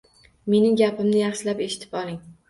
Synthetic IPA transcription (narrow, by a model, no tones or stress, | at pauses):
me̞nɪŋɡʲapɪmnɪjɑχʃɪlape̞ʃɪ̥t̪ʰɪ̥pɒlˠɪŋ